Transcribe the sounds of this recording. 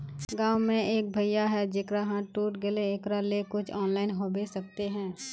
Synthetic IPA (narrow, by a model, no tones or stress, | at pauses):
ɡãːwmẽeːk̚bʱɐjjaɦɛd͡ʒɪkɾaɦãʈuːʈɡɪleːkɾalekʊt͡ʃʰɔːnlaːɪnɦoːbesɐk̚t̪eɦɛ̃ː